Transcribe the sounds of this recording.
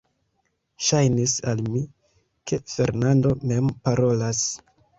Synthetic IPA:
ʃajnisalmi | kʰe̞fe̞̰ɾnando̞me̞mpaɾo̞las

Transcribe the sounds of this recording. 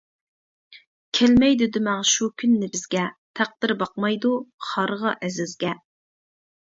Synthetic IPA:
kʲʰelmɛjd̪ɪd̪ɪmɛŋʃukʲʰynːɪbɪzɡʲɛt̪ʰæq̚d̪̥ɪɾbɑq̚mɑjd̪uχɑɾʁɑʔɛzɪzɡʲɛ

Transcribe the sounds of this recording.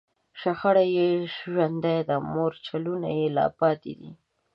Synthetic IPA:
ʃaxaɽajeʃʒand̪ajd̪amoɾt͡ʃaluna̰jelɑ̰pɑt̪ḛd̪ḭ

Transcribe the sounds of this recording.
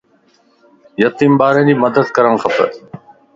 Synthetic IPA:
jət̪iːmbaːɾẽːd͡ʑiːməd̪əd̪kəɾəɳxəpə̰ɾ

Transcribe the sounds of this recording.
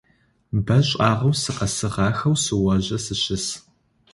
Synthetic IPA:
bɐɕʼɑːʁɐwsɨqɐsɨʁɑːxɐwsɨwɐʑɐsɨɕɪs

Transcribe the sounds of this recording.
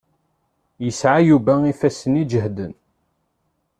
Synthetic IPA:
jəsʕajuvæifæsənid͡ʒəɦd̪ən

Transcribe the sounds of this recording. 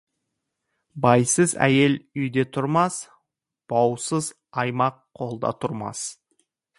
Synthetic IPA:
bɑjsəzæ̰je̞lʏjd̪e̞t̪ʰʊɾmɑs | b̥ɑwsəz | ɑjmɑqʰːo̞lˠd̪ɑ̰t̪ʰʊɾmɑ̰s

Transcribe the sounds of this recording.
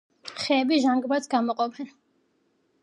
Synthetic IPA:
χɛːbiʒaŋɡbat̪sʰɡamɔqʼɔpʰɛn

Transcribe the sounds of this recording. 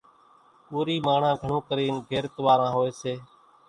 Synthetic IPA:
puːɾiːmaːɳ̤ãːɡʱəɳõːkəɾiːnɡʱeːɾt̪ʋaːɾãːɦoːeːseː

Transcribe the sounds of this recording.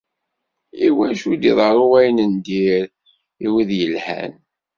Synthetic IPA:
iwænʃud̪iðˤɑɾˤoʁæjnənd̪iɾ | iwiðjəlhæ̰n

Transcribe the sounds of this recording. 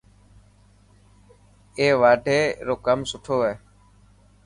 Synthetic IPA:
eːʋaːɖʱeːɾoːkəmsʊʈʰoːʋeː

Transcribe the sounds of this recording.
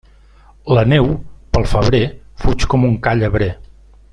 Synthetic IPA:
lənewpəlˠfəβ̞ɾefut͡ʃkɔmuŋkaʎəβɾe

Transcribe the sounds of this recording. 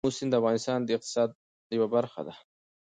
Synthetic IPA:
usɪnd̪əafɣɑnɪst̪ɑnd̪əɪq̚t̪ɪ̥sɑːd̪̚ | jəwabaɾxa̰d̪a

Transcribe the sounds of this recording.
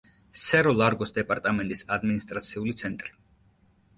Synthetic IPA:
sɛɾɔlˠaɾɡɔsd̪ɛpʼaɾt̪ʼamɛnt̪ʼisad̪minist̪ʼɾat̪sʰiulit̪sʰɛnt̪ʼɾi

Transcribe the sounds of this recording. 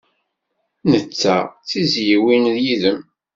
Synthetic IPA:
nət͡sːæ̰t͡sːizjiwinðjiðəm

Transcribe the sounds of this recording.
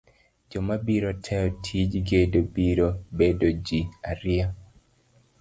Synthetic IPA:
d͡ʒɔmabiɾotʰɛɔtʰid͡ʒɡedobiɾobedod͡ʒiaɾɪa

